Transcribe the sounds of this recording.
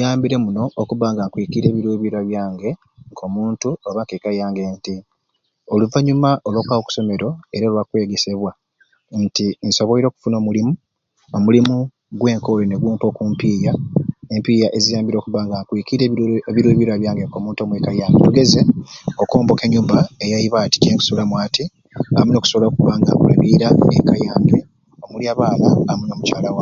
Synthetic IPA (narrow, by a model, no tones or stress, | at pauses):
jaːmbiɾe̞muno̞ʔːkuβaːŋɡaŋkwiːkiiɾe̞ːβiɾuβiɾaβjaːŋɡe̞ | ŋkʰo̞muːntuoβakekajaːŋɡe̞nti | oluvaɲumaolwokwaoku̥so̞me̞ɾo̞e̞ɾalwakwe̞ːɡese̞βwa | ntinso̞βoiɾo̞ːku̥funo̞ːmulimu | omulimu | ɡwe̞ːŋkolone̞ɡuːmpo̞ːkuːmpiːjae̞mpiːjaʔe̞zijaːmbiɾo̞ːkuβaːŋɡakwikiɾeβiɾeβiɾaβjaːŋɡekomuːnto̞mwekajaːmbḛtuɡe̞ze̞oko̞ːmbo̞keɲuːmbaejaiβati̥ɟeːŋku̥solamwaːti | a̰muno̞ku̥solokuβaːŋɡa̰kula̰βiːɾaekajaːmbe | omuliaβaːlaːmuno̞mut͡ʃaːlawa